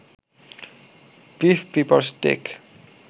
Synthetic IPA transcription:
bifpipəlstḛk

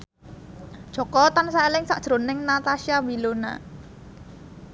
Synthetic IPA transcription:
ʒ̥ɔ̤kɔt̪ansaelɪŋsaʔd̥ʒ̥ɾo̤nɪŋnat̪aʃiabilona̰

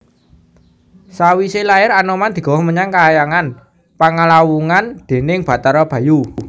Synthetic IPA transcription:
sawiselaɪɾanomand̪̥i̤ɡ̥ɔ̤wɔhməɲaŋkaːjaŋan | paŋalawuŋand̪̥e̤nɪŋb̥ä̤t̪aɾɔb̥ä̤ju

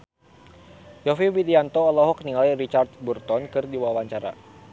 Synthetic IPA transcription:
jɔfiwid̪iant̪oɔlɔɦɔk̚niŋalirit͡ʃart̪̚burt̪ɔnkɨrdiwawaɲt͡ʃaɾa̰

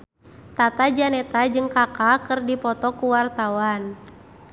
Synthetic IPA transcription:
t̪at̪ad͡ʒanɛt̪ad͡ʒɨŋkakakɨrdipɔt̪ɔkuwart̪awan

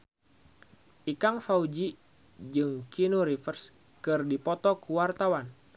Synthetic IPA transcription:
ʔikaŋfaud͡ʒi | d͡ʒɨŋkinuɾifərs | kɨrdipɔt̪ɔkuwart̪awan

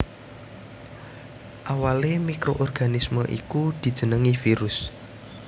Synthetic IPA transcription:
ʔawalemikɾoʔɔrɡ̥anisməʔḭkud̪̥i̤d̥ʒ̥ə̤nəŋifiɾʊs

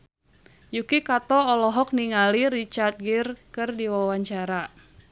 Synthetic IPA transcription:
jukikat̪ɔɔlɔɦɔk̚niŋaliɾit͡ʃart̪̚ɡɪrkɨrdiwawaɲt͡ʃaɾa

